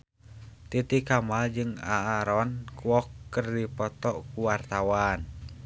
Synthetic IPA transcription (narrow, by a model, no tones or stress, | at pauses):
t̪it̪ikamald͡ʒɨŋa̰ːɾɔnkwɔkːərdipɔt̪ɔkuwart̪awan